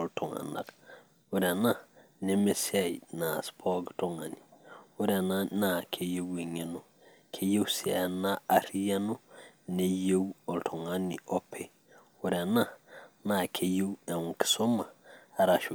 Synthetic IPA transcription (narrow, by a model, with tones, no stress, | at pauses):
ltʰɔ˨ŋa̰˨na̰˨k | wu˦ɾa˨na˦ne˦me˦si˦a˦˨jna˨spʰɔ˦ɡto˦ŋa˨ni˨ʊ˦ɾɛ˨na˦na˨kʰe˨je˦we˨ɲe˨no˨ | kʰe˦je˦wsa˨na˦a˨˦ɾi˦ja˦no˦ne˨je˦wɔ˨ltʰo˨ŋa˦ni˨o˦pʰe˦ | wʊ˦ɾɛ˨na˦na˨kʰe˨je˦we˨u˨ki̥˨so˦maː˨ɾa˨ʃu˨